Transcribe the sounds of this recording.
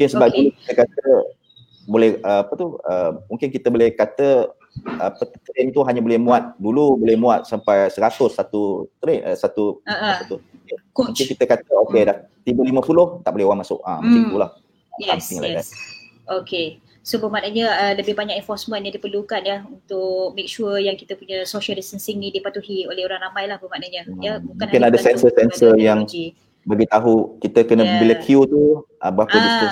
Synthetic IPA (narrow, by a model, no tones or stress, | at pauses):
mũŋkɪnsəbap̚duluki̥t̪əkat̪ə | bolɛhəapət̪uəmuŋkɪnkit̪əbolɛhkat̪ə | əpət̪t̪əɾɪnt̪uɦaɲãbolɛhmũat̪̚dulubolɛhmũat̪̚sampajsəɾat̪ʊsːat̪ut̪əɾɪnʔəsat̪uat̪ʊuũŋɪnkit̪əkat̪əokedah | t̪ibəlimə̃pulʊht̪aʔbolɛɦowaŋmasʊ̰ʔa̰mək̪iŋt̪ulah | ajamɪŋlaɛda̰ | oke | sobəmanaɲəələbɪhbaɲak̚ɛnfɔsmə̃njadipərlukanjəunt̪ʊʔ̚mek̚ʃujaŋkit̪əpuɲəsoʃəldisənsɪŋnidipat̪uhiolɛhoɾaŋɾamãjlahbəmanaɲəjəmũŋkanakɪnadəsɛnsəsɛnsəjaŋ | baɡit̪aɦukit̪əkənə̃bəiləkʰjut̪uʔəbəapəiu